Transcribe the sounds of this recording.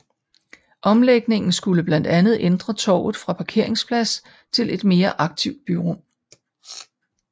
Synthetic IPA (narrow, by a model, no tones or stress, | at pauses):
ʔɒ̽mleɡ̥ne̝ŋn̩sɡ̥uləb̥læn̰d̥ænð̞̩ˠend̥ʁɐt͡sʰɒ̰ːʊ̰ð̩ˠfʁɑ̈pʰɑ̈kʰe̝ɐ̰e̝ŋspʰlæs | t͡sʰe̝le̝d̥me̝ːɐʔɑ̈ɡ̥̚t͡sʰiʊ̰d̥̚b̥yʁɔm